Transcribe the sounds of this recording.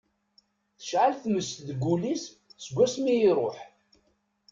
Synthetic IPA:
θə̥ʃʕalθməst̪ðɡʷːulis | səɡʷːæsmijiɾˤoħ

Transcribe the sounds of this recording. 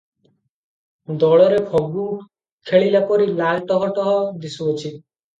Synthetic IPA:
d̪ɔɭɔɾebʱɔɡu | kʰeɭilapɔɾilalʈɔɦɔʈɔɦɔd̪isuɔt͡ʃʰi

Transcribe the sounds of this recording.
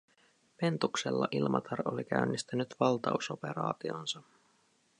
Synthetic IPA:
pe̞nt̪ukselːɑ̰ʔilmʔɑt̪ʰɑrolik̟æynːist̪ænyt̪ʋɑlt̪ɑusope̞ɾɑ̰ːt̪io̞nsɑ

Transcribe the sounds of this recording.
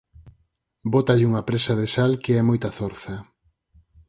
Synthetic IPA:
bot̪aʎuŋɐpɾesaðesalkeɛmojt̪ɐθoɾθɐ

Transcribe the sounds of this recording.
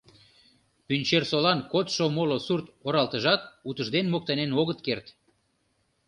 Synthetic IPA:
pynʲt͡ɕersolɑnkot̪ʃomolosurt̪oɾɑlˠt̪əʒɑt̪ut̪əʒd̪enmok̚t̪ɑnenoɣət̪kert̪

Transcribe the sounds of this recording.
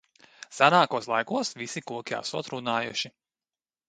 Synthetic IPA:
sanaːkuɔslˠajkuɔsʋisikuɔkʲa̰suɔt̪ɾunaːjṵʃi

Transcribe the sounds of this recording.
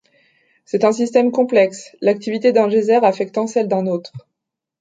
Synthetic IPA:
sɛt̪ɛ̃sist̪ɛmkɔ̃plɛkslak̚t̪ivit̪ed̪ɛ̃ʒezɛʁafɛk̚t̪ɑ̃sɛld̪ɛ̃not̪χ

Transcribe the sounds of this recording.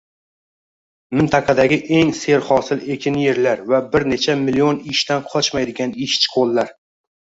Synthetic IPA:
mɪnt̪ʰɑqʰɑd̪aɡʲɪʔe̞ŋse̞ɾχɒsɪle̞kʲʰɪnje̞ɾlaɾvabɪɾne̞t͡ʃʰamɪlijonɪʃt̪anqʰɒt͡ʃmajd̪ɪɡʲanɪʃt͡ʃʰɪ̥qʰolˠːaɾ

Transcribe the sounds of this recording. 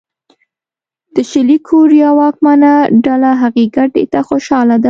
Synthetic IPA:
d̪̥əʃɪlikʰoɾijɑwɑk̚manaɖalaɦaɣeɡaʈḛt̪axoʃɑlad̪a

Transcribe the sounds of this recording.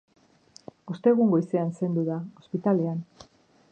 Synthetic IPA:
ost̪e̞ɣuŋɡo̞jse̞anse̞nd̪uðao̞spit̪ale̞an

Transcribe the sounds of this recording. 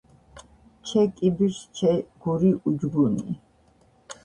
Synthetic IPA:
t͡ʃʰɛkʼibiɾʃt͡ʃʰɛɡ̥uɾiʔud͡ʒɡunḭ

